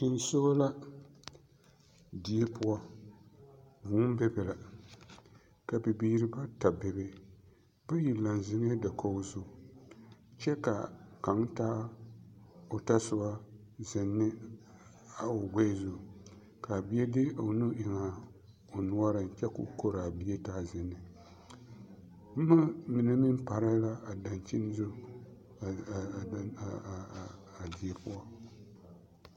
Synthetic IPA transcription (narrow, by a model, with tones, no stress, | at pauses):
ɪ˨n˦so˦la˦ | di˨˦e˦pʊ˦a˦ | vu˨˦bɛ˦bɛ˨la˨ | ka˨bɪ˨biː˦ɾɨ˦ba˦ta˨bɛ˨be˦ | b̥a˦ji˨la˨n˨zɪ˦ŋ˦e˦da˨kʰo˦zʊ˦˨ | t͡ʃɛ˦ka̰˨ka˨˦ŋtaː˦ | o˨ta˦sɨ˦ba˦ | zɪ˨nːɪ˦ | a˨o˨ɡe˦zʊ˨ | ka˨bi˦e˦dɪ˦o˨nu˦ʔɪ˨ŋa˨ | o˨nu˦a˦ɾɨ˨n˨t͡ʃɛ˦kṵ˨ko˦ɾa˨bi˦e˦taː˦zɪ˨nːɨ˨ | b̩˦ma˦mi˨nɨ˦mɪ˦m˦pa˨ɾa˦la˦a˨da˨n˨t͡ʃi˦n˦zʊ˦˨ | a˨di˨e˨pʊ˦a˦